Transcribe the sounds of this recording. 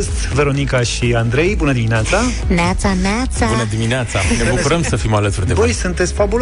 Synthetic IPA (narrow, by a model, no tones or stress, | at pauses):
st̪ʲve̞ɾo̞nikaʃiand̪ɾe̞jbunəd̪imineat̪sa | nat̪saneat̪sabunəd̪imineat̪sane̞bukuɾəmsəfimalət̪uɾrd̪evojsunt̪e̞t̪sʲfabul